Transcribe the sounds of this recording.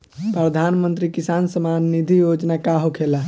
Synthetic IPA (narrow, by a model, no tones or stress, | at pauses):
pɾəd̪ʱanmənt̪ɾikisansəmanːid̪ʱijod͡ʒnakaɦokʰela